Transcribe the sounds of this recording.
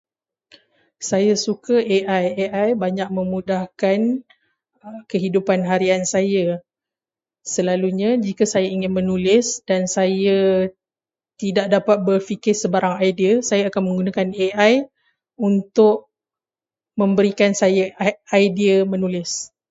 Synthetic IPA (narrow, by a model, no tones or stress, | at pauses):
sajasukaʔeʔajeʔajbaɲak̚mə̃mudahkan | kəɦidupanɦaɾiansaja | səlaluɲãd͡ʒikasajaiŋɪnmənulɪsdansaja | t̪idaʔ̚dapat̪̚bərfikɪsəbaɾaŋajdiəsajaakanmə̃ŋɡunakaneʔaj | unt̪ʊʔ̚ | mə̃mbəɾikansajaajdiəmənulɪs